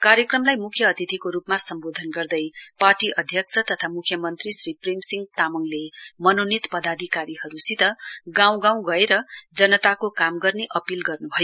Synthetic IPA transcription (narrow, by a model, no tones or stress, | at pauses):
kaɾjʌkrʌmlajmukʰjʌːt̪it̪ʰikoɾupmasʌmbod̪ʱʌnɡʌrd̪ʌjparʈiʔʌd̪ʱjʌk̚t͡sʰʌt̪ʌt̪ʰamukʰjʌmʌnt̪risriprimsiŋɡ̚t̪amʌŋlemʌnonit̪pʌd̪ad̪ʱikaɾihʌɾusit̪ʌɡãw̃ɡãw̃ɡʌeɾʌd͡zʌnʌt̪akokamɡʌrneʔʌpilɡʌrnubʱʌjo